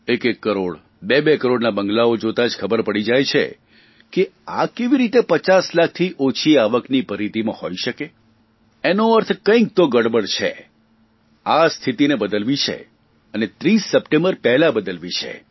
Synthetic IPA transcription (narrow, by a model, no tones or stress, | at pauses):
ekekːəɾoɽ | bebekəɾoɽnabə̃ŋɡlaod͡ʒot̪ad͡ʒkʰəbəɾpəɽid͡ʒajt͡ʃʰḛ | keakeʋiɾit̪epət͡ʃaslak̚ʰt̪ʰiʔot͡ʃʰiaʋəknipəɾid̪imãhoiʃəke | enoəɾt̪ʰkə̃k̚t̪oɡəɽbəɽt͡ʃʰḛ | ast̪ʰit̪inebəd̪əlʋit͡ʃʰḛ | ənet̪ɾisːəpʈẽmbəɾpɛɦlabəd̪əlʋit͡ʃʰḛ